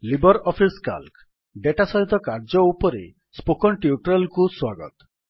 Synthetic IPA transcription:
libɔɾɔpʰiska̰lk | ɖeʈasɔɦit̪ɔkaɾd͡ʒɔupɔɾḛ | spokɔnʈiuʈɾɔlkuswaɡɔt̪ɔ̥

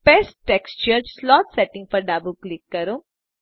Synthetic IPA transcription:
pesʈʈekst͡ʃəɾslɔːtseʈĩŋɡpɔɾɖabuklikːəɾu

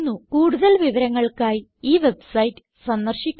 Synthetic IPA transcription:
nːukuːɽuðɐlʋiʋɐɾɐŋːɐɭkaːjiiːʋe̞bsɐjitːɨ̥ | sɐnd̪ɐrɕikʲː

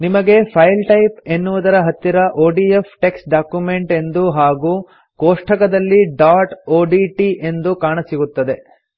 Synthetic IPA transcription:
nimɐɡe̞pʰɐjlʈɐjpe̞nːuʋud̪ɐɾɐɦɐt̪ːiɾɐʔoːɖiepʰʈe̞ksʈɖaːkjume̞ɳʈe̞nd̪uɦaːɡuː | koːʂʈʰɐkɐd̪ɐlːiɖaːʈoːɖiʈiʔe̞nd̪ukaːɳɐsiɡut̪ːɐd̪e̞

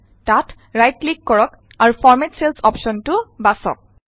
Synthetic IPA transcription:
tat | ɹajt̚klikːɔɹɔk | aɹufʰɔɹmɛtselsɔpʃɔntʊbasɔ̰k̚

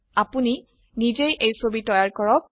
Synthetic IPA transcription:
apuni | nizejʔejsobitɔjaɹkɔɹɔk̚

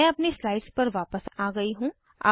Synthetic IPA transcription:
ɛ̃ɐpneslaːɪɖspɐɾʋaːpəsaːɡɐiɦũ | a̰ː

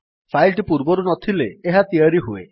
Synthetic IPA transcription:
pʰajlʈipuɾbɔɾunɔt̪ʰileːɦat̪iaɾiɦuḛ

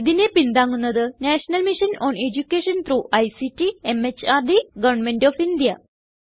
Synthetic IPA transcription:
iðine̞pind̪aːŋːunːɐðɨnaːʂɐnɐlmiʂɐnoːned͡ʑukʲːeːʂɐnt̪ɾuːʔɐjsitːiemet͡ɕaːrd̪iɡɐʋɐɳnmenɖoːfind̪ijɐ

